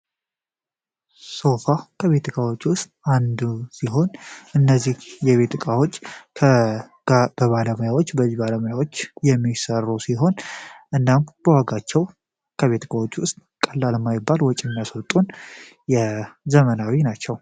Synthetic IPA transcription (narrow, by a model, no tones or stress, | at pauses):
so̞fakʰəβe̞t̪ʰɨkʼawot͡ʃːuʔʊst̪ʼand̪usiɦo̞nʔɨnːəzːihjɛβe̞t̪ɨkʼawot͡ʃːʰ | bəβaləməjawot͡ʃːbəzibaləməjawo̞t͡ʃːjɛmːisərːusiɦo̞nʔɨnːamb̥əwaɡat͡ʃːɛw | kʰəβe̞t̪ʰɨkʼawot͡ʃːuʔɨst̪ʼkʼəlːaləmːajɪbːalwɔt͡ʃʼːɛmːjasəwt̪ʼːun | jɛzəmənawinat͡ʃːɛw